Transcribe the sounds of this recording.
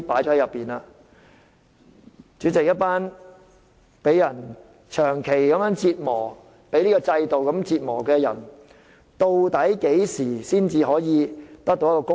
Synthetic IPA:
paː˨˥jt͡ʃɔ˧˥ɐ˧jɐ˨pːiː˨naː˧ | t͡ʃyː˨˥t͡sɪ˨k̚jɐ˥t̚paː˥n | pe˨˥jːɐ˨˩n | t͡ʃʰœː˨˩ŋkʰe˨˩jkɐ˨˥mjœː˨˥ŋt͡siː˧t̚mɔː˨˩ | pe˨˥jliː˥kɔː˧t͡sɐ˧jt̪o˨wkɐ˨˥mt͡siː˧t̚mɔː˨˩kɛː˧jɐ̰˨˩n | t̪o˧wt̪ɐ˨˥jke˨˥jsiː˨˩siː˥nt͡siː˧ɦɔː˨˥jiː˨˧t̪ɐ˥k̚t̪o˧wjɐ˥kɔː˧kʊ˥

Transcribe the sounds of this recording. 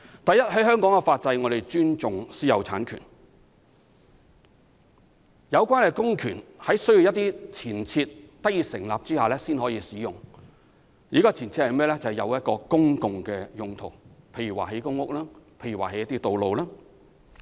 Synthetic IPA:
t̪ɐ˨jɐ˥t̚ɦɐ˨˥jɦœː˥ŋkɔː˨˥ŋkɛ˧faː˧t̚t͡sɐ˧jŋɔː˨˧ɾe˨jt͡ʃyː˥nt͡sʊ˨ŋsiː˨˥jɐ˨˧wt͡sʰa̰ː˨˥nkʰy̰˨˩n | jɐ˨˧wkʷwaː˥nɛ˨jkʊ˥ŋkʰyː˨˩nhɐ˨˥jsɵ˥ji˨˧wjɐ˥t̪ːiː˥t͡sʰiː˨˩nt͡sʰiː˧t̚t̪ɐ˥jiː˧sɪ̰˨˩ŋlaː˨p̚t͡siː˥haː˨lɛː˥siː˥nɦɔː˨˥jiː˧siː˨˥jʊ˨˩ŋ | jiː˨˥kɔː˧t͡sʰiː˨˩nt͡sʰi˧t̚hɐ˨jmɛː˥lɛ˥t͡sɐ˨˩hɐ˨jɐ̰˨˧wjɐ˥t̚kɔː˧kʊ˥ŋkʊ˨ŋkɛː˧jʊ˨ŋt̪ʰʊ˨˩wpʰe˧jy˨˩wa̰ː˨˩he˨˥jkʊ˥ŋʊ˥k̚laː˥pʰe˧jy˨˩waː˨˩he˨˦jɐ˥t̪iː˥t̪o˨wlo˨wlaː˥

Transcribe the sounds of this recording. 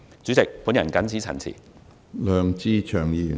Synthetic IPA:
t͡syː˨˥t͡sɪ˨k̚pu˨˥njɐ̰˨˩nkɐ˨˥nt͡sʰiː˨˥t͡sʰɐ̰˨˩nt͡sʰḭː˨˩ | lœː˨ŋt͡siː˧t͡ʃʰœː˨˩ŋjiː˧˨

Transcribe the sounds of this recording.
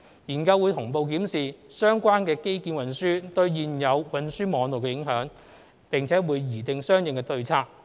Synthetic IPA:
jiː˨˩nkɐ˧wːu˨˧t̪ʰʊ˨˩ŋpo˨˧wk̬iː˨˥msiː˨˩sœː˥ŋkʷaː˥nkɛː˧ke˥jkiː˧nwɐ˨˩nsyː˥t̪ɵ˧ɥjiː˨njɐ˨˧wwɐ˨nsyː˥mɔː˨˧ŋt̪o˨˩wkɛ˧jɪ˨˥ŋɦœː˨˥ŋ | pɪ˨ŋt͡sʰɛː˨˥wuː˨˧jːiː˨˩t̪ɪ˨ŋsœː˥ŋjɪ˨ŋkɛː˧t̪ɵ˧ɥt͡sʰaː˧˥k̚

